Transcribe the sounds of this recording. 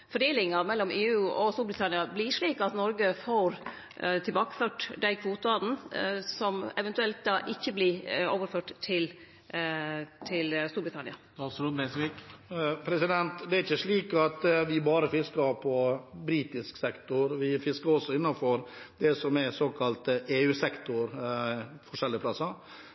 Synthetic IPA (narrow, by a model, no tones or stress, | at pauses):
fɔɖeːlɪŋɑɾmɛlːɔmʔeːʉːʔɔst̪uːɾbɾɪt̪ʰɑnɪɑblɪʂɭiːkɑt̪nɔɾɡəfoːɾ | t̪ʰɪlbɑːkə̥føːʈd̪æɪkʰʋuːt̪ʊɑd̪n̩sɔmɛʋɛnt̪ʉɛlt̪̚d̪ɑːʔɪçːəblɪo̰ːʋəɾføːʈt̪ʰːɪl | t̪ʰɪlst̪uːɾbɾɪt̪ɑnɪ̰ɑɑsɾuːd̪mɛsʋiːkpʰɾɛsɪd̪ɛnt̪d̪ɛæɾɪçːəʂɭiːkɑt̪ʋɪbɑːɾəfɪskɑɾpʰɔbɾiːt̪ɪsksɛkt̪ʊɾʋɪfɪskəɾɔsɔɪnːɑnfɔɾd̪ɛsɔmɛsoːkʰɑlt̪əeːʉːsɛkt̪ʊɾ | fɔʂɛlːɪəpʰlɑsɑ